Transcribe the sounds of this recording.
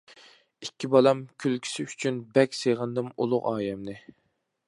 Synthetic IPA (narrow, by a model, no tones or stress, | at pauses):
ikʲʰːibɑlˠɑmkʲʰylkʲʰi̥sɪyt͡ʃʰynbɛkʲseʁɨnd̪ɨmṵlˠʊqɑːjɛmnɨ